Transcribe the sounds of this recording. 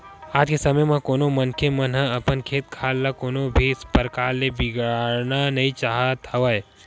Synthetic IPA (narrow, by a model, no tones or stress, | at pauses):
aːd͡ʒkesɐməjmãkoːnomɐnkʰemənɦə̃ɐpənkʰeːt̪̚kʰaːlːakoːnobʱispəɾkaːɾlebɪɡaɾnanɐɦĩt͡ʃaːɦat̪ʰəʋəj